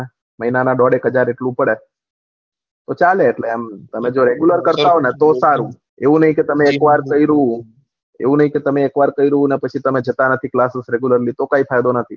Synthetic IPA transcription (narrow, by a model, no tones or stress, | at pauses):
məɦinanaɖɔɽekɦəd͡ʒaɾeʈlũpəɽe | t̪ot͡ʃaleːʈleamt̪əmed͡ʒoɾeɡjuləɾkəɾt̪aɦonet̪osaɾũ | eũnəɦĩket̪əmeːkʋaɾkəiɾəũ | ḛũnəɦĩket̪əmeːkʋaɾkəiɾəɦũnepət͡ʃʰit̪əmed͡ʒʱət̪anət̪ʰiklasəsɾeɡjuləɾlit̪okaifajd̪onət̪ʰḭ